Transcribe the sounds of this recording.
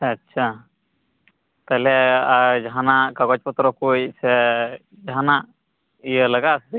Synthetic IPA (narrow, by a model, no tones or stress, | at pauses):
ɐtːʃʰa | t̪alɛad͡ʒɦanakaɡɔt͡ʃpɔt̪ɾɔkojsɛ | d͡ʒɦana | ijələɡas